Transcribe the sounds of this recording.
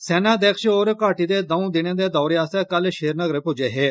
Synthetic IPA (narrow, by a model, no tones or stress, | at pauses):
sɛːnãːd̪eːkʰʃoːɾkaːʈiːd̪eːd̪aũːd̪ɪnẽːd̪eːd̪ɔːɾjaːst̪eːkəlʃeːɾnəɡɾpʊd͡ʒeːɦeː